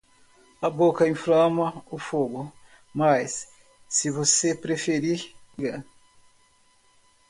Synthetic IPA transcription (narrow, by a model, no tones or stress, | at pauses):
ɐbokɐĩflɐ̃mɐʊfoɡʊ | mɐjsː | ɪvosepɾefeɾiɡɐ̃